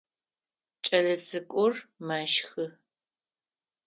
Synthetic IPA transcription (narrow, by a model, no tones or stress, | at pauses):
t͡ʃʼɐɮɐt͡sʼɨkʷʼʊrmaːʃxɨ